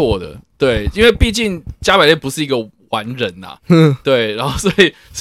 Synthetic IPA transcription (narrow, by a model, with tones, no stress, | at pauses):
wɔ˥˩d̪ə̰˩t̪we˥˩ɪi˥nwe˥˧ɪpi˥˧t͡ɕi˥˩ŋt͡ɕja˥pa˨˩ljɛ˥˩npu˧˦ʂɻ̩˥˩i˧˥ɡə˨ | wa˧˦nɻə˨˦nɐ̰˨t̪we˥˩ɪɻa˧˥nxo˥˩ʊswɔ˧˥i˨˩ | s